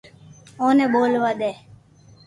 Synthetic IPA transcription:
oːnɛ̃ːɓoːlʋaːɗ̪eː

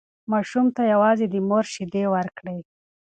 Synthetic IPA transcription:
mɑʃumt̪ajawɑzed̪əmoɾʃɪd̪ewəɾkɽe

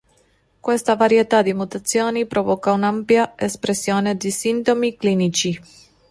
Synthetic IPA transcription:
kwest̪avaɾjet̪ad̪imut̪at̪sːjoːnipɾɔvokaunampjaespɾesːjoːned̪isint̪omikliːnit͡ʃi

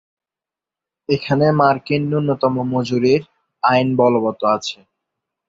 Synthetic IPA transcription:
ekʰanemaɾkinːunːot̪ɔmomod͡ʑuɾeɾ | ajnbɔlobɔt̪oat͡ɕʰe

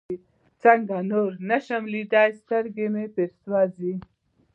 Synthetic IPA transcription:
t͡sɐŋɡanoɾnɐʃəmlid̪aːjst̪ɐɾɡemepeɾswazi

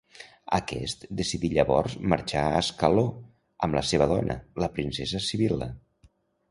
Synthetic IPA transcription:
ə̰kɛ̰st̪d̪əsiðiʎəβɔ̰rzməɾt͡ʃaəskəlo | əmləseβəðɔnʔə̰ləpɾinsɛzəsiβilə̰

